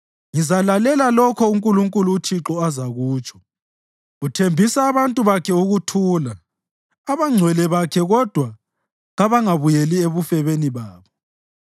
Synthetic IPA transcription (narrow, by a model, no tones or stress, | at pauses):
ŋizalalɛlalɔkʰɔuŋkʼuluŋkʼuluːtʰiǁɔazaɣuːt͡ʃʰʼɔ̥ | utʰembʱisaːβantʼuβakʰɛuɣutʰuːla | aβaŋ͡ǀʱwɛlɛβakʰɛɣɔd̥ʱwa | ɣaβaŋaβujelieβufɛβeniβaːβɔ